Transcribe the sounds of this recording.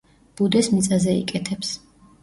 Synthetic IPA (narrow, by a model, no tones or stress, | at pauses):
b̥ud̪ɛsmit̪sʼazɛḭkʼɛt̪ʰɛps